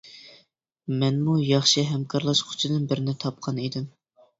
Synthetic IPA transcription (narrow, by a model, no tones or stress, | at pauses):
mɛnmujɑχʃɨɦɛmkʰɑɾlˠɑʃqʰʊ̥t͡ʃʰɪd̪ɨnbɪɾɪnɪt̪ʰɑp̚qʰɑnid̪ɪm